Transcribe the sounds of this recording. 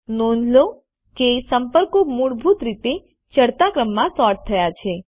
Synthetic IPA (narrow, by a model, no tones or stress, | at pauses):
nond͡ʒʱlo | kesəmpəɾkomuɽbʱut̪ɾit̪e | t͡ʃəɽt̪akɾəmːãsɔɾʈt̪ʰːəjat͡ʃʰe